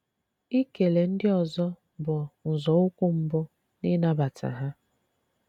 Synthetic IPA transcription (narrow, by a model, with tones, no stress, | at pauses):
i˦ke˨le˨n̩˦dɪ˦ɔ˨zɔ˦ | bʊ˨n̩˨zɔ˨ʊ˦kʷʊ˦m̩˨bʊ˦ | nɪ˦na˦ba˨tʰa̰˨ɦa˦